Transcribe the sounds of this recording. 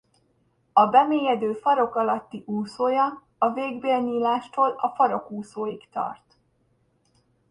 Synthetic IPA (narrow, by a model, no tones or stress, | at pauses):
ɒbɛmeːjɛd̪øːfɒɾo̞kɒlɒt̪ːiʔuːsoːjɒ | ɒveːɡbeːlɲiːlaːʃt̪oːlɒfɒɾo̞kuːsoːjikt̪ɒ̰rt̪